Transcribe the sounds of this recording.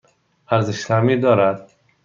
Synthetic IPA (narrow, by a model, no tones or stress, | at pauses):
æɾzɪʃt̪amiːd̪ɒːɾæd̪̥